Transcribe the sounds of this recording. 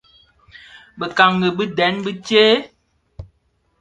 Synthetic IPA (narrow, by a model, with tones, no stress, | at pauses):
bə˨ka˨ŋɡə˨bə˦dɛ˨˦nbə˦t͡ʃeː˦